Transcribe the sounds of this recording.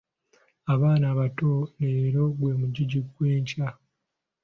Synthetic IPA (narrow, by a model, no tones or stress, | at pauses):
aβaːnaːβatone̞ːɾo̞ɡweːmuɟiɟiɡwe̞ːɲca